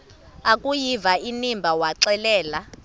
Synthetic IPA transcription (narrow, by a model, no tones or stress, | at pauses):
akʼujivainimbʱawaǀɛlɛːla